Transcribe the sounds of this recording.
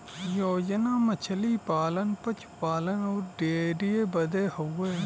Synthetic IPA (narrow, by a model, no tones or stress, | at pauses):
joːd͡ʒnaːmət͡ʃʰəliːpaːlənpət͡ʃʰpaːlənoːɾɖeːɖijeːbəd̪eːhoeː